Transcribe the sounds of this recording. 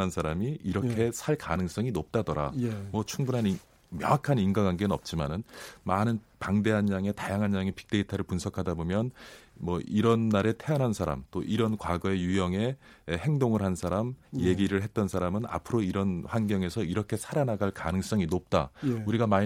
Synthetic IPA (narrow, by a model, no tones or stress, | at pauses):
ansʰaɾamiiɾʌkkʰe̞sʰaɭkanɯŋs͈ʌŋinop̚t͈adʌɾa̰mwʌt͡ɕʰuŋbunɦan | mjʌ̰ŋɦakʰaninɡaɡanɡenɯnʌ̰p̚t͡ɕ͈imanɯnmanɯnpaŋde̞ɦanɲaŋe̞tajaŋɦanɲaŋepʰi̥k̚t͈e̞itʰaɾɯɭpunsʰʌkʰadabomjʌnmwʌiɾʌnːaɾe̞tʰe̞jʌnɦansʰaɾa̰mt͈oʔiɾʌnkwaɡʌe̞jujʌŋe̞ːhe̞ŋdoŋɯɭɦhansʰaɾamje̞ɡiɾɯɭɦe̞t̚t͈ʌnsʰaɾamɯna̰pʰɯɾoiɾʌnɸwanɡjʌŋe̞sʰʌiɾʌkʰe̞sʰaɾanaɡaɭka̰nɯŋs͈ʌŋinop̚t͈auɾiɡama